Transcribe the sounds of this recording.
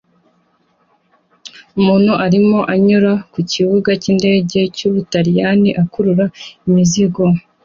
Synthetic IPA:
umuːn̥huʔaɾimo̞ʔaɲuɾakuciβuɡacinde̞ːɟe̞cuβutaɾijaniʔakuɾuɾaimiziɡo

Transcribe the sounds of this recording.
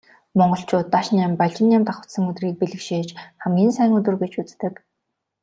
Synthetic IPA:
mɔɴɢɞ̆ɬt͡ɕʊːt̪ːaʃnampaɮt͡ɕɪ̆njamt̪aχə̥̆sə̆ŋɵt̪riːk̚piɮɘ̆kʃeːt͡ɕχæmɡʲiːnsæːŋɵt̪ɵ̆rɡet͡ɕut͡st̪ɘ̆k

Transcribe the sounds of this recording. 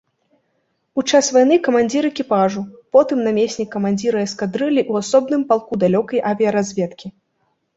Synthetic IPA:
ut͡ʂasvajnɨkɐmanʲd͡zʲiɾɨɛkʲipaʐupɔt̪ɨmnamʲesʲnʲikːɐmanʲd͡zʲiɾɨɐskad̪ɾɨlʲiʔuasɔbnɨmpalˠkud̪alʲɔkɐjʔavʲijɐɾazʲvʲɛt̪kʲi

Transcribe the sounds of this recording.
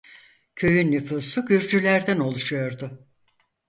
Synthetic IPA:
cʰø̞jynːyfuːsuɟyɾd͡ʒylʲæɾd̪æno̞lˠuʃujo̞ɾd̪ʊ

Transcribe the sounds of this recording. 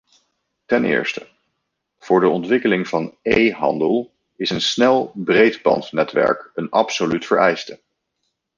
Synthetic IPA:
tɛnɪ̰ːɹstə̥ | v̥ʊːɹdəɔntʋɪkəlɪŋv̥ɑnejɦɑ̰ndəlˠ | ɪsənsnɛlˠbrejdbɑ̰ntnɛtʋɛ̰ɹkənɑpsolytfəɹɛjstə

